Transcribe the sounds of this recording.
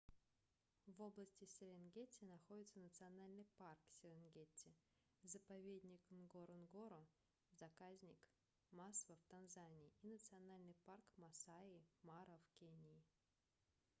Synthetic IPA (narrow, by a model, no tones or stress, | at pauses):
vo̞blˠəsʲtʲɪsʲɪɾʲenɡʲetʲɪənɐxo̞dʲɪt̪sənət̪sɨɐnalʲnɨjparksʲɪɾʲɪnɡʲetʲɪ | zəpɐvʲed̪ʲnʲɪknɡoɾənɡoɾə | zɐkazʲnʲɪk | masvəft̪ɐnzanʲɪːinət̪sɨɐnalʲnɨjparkmɐsaɪmaɾəfkʲenʲi